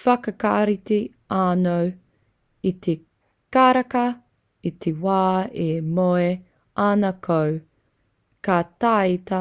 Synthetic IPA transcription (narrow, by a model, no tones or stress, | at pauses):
fɐkɐkaɾiti | aːnow | it̪ʰe | kaɾɐkɐ | it̪ʰewaːemoe | anɐkʰow | kataːitɐ